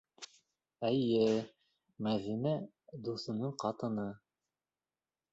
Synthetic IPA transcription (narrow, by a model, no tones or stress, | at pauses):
æjɘ | mæðinæ | d̪uθɤ̆nɤɴqɑt̪ɤ̆nɤ